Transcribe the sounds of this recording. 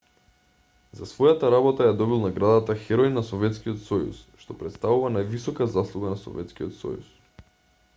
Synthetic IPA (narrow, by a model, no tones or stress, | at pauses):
zasvɔjat̪aɾabɔt̪ajad̪ɔbilˠnaɡɾad̪at̪axɛɾɔjnːasɔvɛt̪skijɔt̪sɔjṵsʃt̪ɔpɾɛt̪st̪avuvanajvisɔkazaslˠuɡanasɔ̰vɛ̰t̪skiɔ̰t̪sɔ̰jṵs